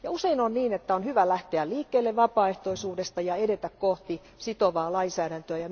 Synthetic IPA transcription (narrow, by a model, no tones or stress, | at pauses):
jɑuseinonniːnet̪ːæonhyʋælæht̪eælliːkːeːlːeʋʋɑpɑːeht̪oisuːdest̪ɑjɑedet̪ækkoht̪i | sit̪oʋɑːlɑinsæːɾænt̪øæjɑ